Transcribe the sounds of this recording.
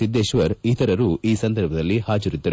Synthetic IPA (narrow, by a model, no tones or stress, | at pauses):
sid̪ːeːʃʋɐɾit̪ʰɐɾɐɾuːiːsɐnd̪ɐɾbʱɐd̪ɐlːihaːd͡ʒɐɾid̪ːɐɾ